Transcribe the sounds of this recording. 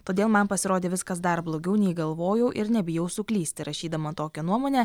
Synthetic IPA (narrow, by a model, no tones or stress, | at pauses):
t̪oːd̪ʲeːlˠmɐnpɐsʲɪɾoːd̪ʲeːʋʲɪskɐs̬d̪ɐɾblˠoːɡʲɛʊnʲɛɪɡɐlˠʋoːjɛʊʔɪɾnʲɛbʲɪjɛʊsʊklʲiːsʲt̪ʲɪɾʔɐʃʲiːd̪ɐmɐt̪oːkʲɛnuɔmoːnʲɛ